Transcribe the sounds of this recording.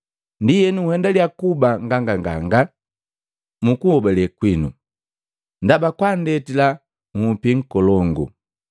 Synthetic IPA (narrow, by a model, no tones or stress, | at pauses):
ndijɛnuːhɛndaliakubaŋɡaŋɡaŋɡa̰ŋɡa | mukubɛlɛkwinṵ | ndabakwandɛtila | mupiŋ̩kɔlɔŋɡṵ